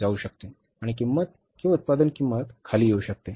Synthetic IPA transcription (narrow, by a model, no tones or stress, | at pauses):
d͡zauɕək̚t̪e | aɽ̃ik̬imːət̪̚ | kĩʋut̪̚pad̪ənkimːət̪kʰaliːjeuɕək̚t̪e